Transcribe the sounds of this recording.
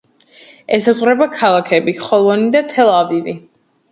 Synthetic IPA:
ɛsazʁɾɛbakʰalˠakʰɛbiχɔlˠɔnid̪at̪ʰɛlˠavivi

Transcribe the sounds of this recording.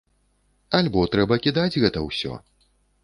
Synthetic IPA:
alʲbɔt̪ɾɛbɐkʲid̪ad͡zʲɣɛt̪ɐwsʲɔ̰

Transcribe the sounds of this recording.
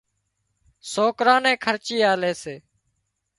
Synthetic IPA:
soːkɾãːnɛ̃ːkʰəɾt͡ʃiːaːleːseː

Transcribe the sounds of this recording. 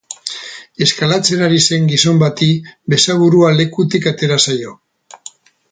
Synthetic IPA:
e̞skalat͡se̞ɾaɾise̞ŋɡiso̞mbat̪ibe̞saβuɾuale̞kut̪ikat̪e̞ɾasajo̞

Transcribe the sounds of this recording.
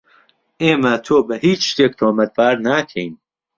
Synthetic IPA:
ʔeːmɐt̪ʰoːbɐhiːt͡ʃʃt̪eːk̚t̪ʰoːmɐt̪̚baːɾnaːkʰɛjn

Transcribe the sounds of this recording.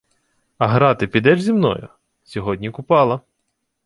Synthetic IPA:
ɐɦɾɑt̪ɪpʲid̪ɛʒzʲimnɔ̰jʊ̰ | sʲɔɦɔdʲnʲikʊpɑlˠɐ

